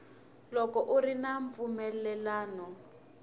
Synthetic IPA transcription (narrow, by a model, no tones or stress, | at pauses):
lɔkɔʔurinaɱvumɛlɛlaːnɔ